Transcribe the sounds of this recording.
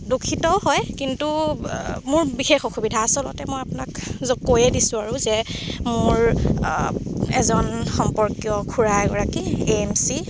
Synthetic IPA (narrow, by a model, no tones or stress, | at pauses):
dokʰitɔɦɔjkintu | mʊɹbixexɔxubidʱaːsɔlɔ̰tɛmojapʊnakzokojɛdisʊ̃aɹʊzɛmʊɹ | ɛzɔnxɔmpɔɹkjɔkʰuɹajɡɔ̰ɹakiemsi